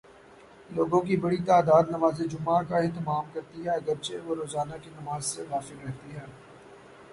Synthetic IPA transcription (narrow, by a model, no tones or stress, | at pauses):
loːɡõkibɐɽit̪aːd̪aːd̪nɐmaːzed͡ʒʊmːakaɪ̃ɦt̪ɪmaːmkɐɾt̪iɦɛːɐɡəɾt͡ʃeʋoɾoːzaːnakinɐmaːzseɣaːfɪlɾɐɦt̪iɦɛː